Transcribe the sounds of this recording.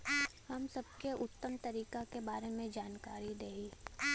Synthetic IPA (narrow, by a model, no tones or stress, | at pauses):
hɐmsɐbkeʔʊt̪ːəmt̪ɐɾiːkakebaːɾemẽd͡ʒaːnkaːɾid̪eːiː